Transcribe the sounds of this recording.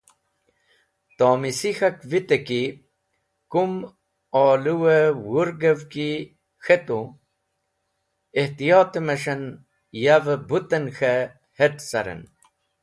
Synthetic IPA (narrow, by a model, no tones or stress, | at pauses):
t̪oːmisixɐkvit̪eki | kum | ɑːluwewuɾɡəvki | xet̪ũ | eht̪ijɑːt̪əmɐʂɐn | javəbut̪ɐnxe | heʈsɐɾə̰n